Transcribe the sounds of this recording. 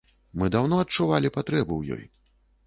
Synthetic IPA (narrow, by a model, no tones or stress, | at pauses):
mɨd̪awnɔɐtt͡ʂuvalʲipat̪ɾɛbuwjɔ̰j